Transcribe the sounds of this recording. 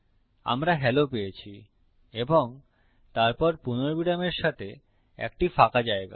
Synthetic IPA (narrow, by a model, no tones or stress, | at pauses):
a̰mɾaɦɛlopejet͡ɕʰi | eboŋ | t̪aɾpɔɾpunoɾbiɖameɾʃat̪ʰe | ɛ̰k̚ʈifakad͡ʑaeɡa̰